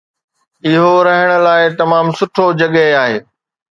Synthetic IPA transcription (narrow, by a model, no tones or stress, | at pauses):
ɪɦoɾɐɦəɽ̃ə̆laːɪt̪ɐmaːmsʊʈʰod͡ʑɐɠəɦaːɦeː